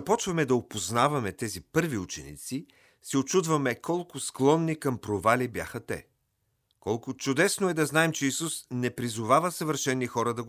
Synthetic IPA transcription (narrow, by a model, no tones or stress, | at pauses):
ɐpɔt͡ʃvɐmɛd̪ɐopoznavɐmɛt̪ɛzipɤɾviut͡ʃɛ̰nḭt̪si | sɛot͡ʃud̪vɐmɛkɔlˠkʊsklˠɔnːikɐmpɾovalibja̰xɐt̪ɛ̰ | kɔlˠkʊt͡ʃʊd̪ɛsnoɛd̪ɐznaɛmt͡ʃɛisusnɛpɾizʊvavəsəvəɾʃɛnːixɔɾɐd̪ɐɡ